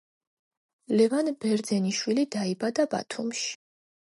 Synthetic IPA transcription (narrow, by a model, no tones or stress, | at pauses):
lɛvanbɛɾd̪zɛniʃwilid̪aibad̪aba̰t̪ʰumʃi̥